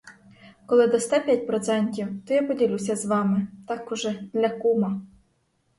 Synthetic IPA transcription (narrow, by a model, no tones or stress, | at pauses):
kɔlˠɪd̪ɔst̪apʲjat̚ʲpɾɔt̪sɛnʲtʲiwt̪ɔjapɔdʲilʲusʲɐzʋɑmɪt̪ɑkɔʒɛd̪lʲɐkumɐ